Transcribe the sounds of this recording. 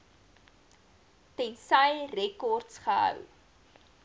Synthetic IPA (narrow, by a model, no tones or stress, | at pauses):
tɛnsəjrɛkɔrtsχəɦə̰w